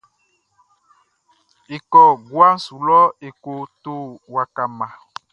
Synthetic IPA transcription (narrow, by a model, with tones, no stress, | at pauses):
e˨kɔ˨ɡwa˦n̩˦su˨lɔ˦e˨ko˨t̪o˦˨wa˨ka˨mã˨